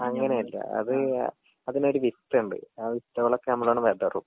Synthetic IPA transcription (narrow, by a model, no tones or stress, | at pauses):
ɐŋːɐnejɐlːɐ̰ɐ̰ðɨ | ɐðinoɾuʋist̪ːɨuɳɖɨ̰aːʋist̪ːɐʋɐɭɐkːenɐmːɐɭoːɳːɨʋed̪ɐrṵm